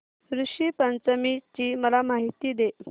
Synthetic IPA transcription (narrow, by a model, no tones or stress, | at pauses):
ɾuʂiːpənt͡səmit͡ɕiːməlamaɦit̪iːd̪e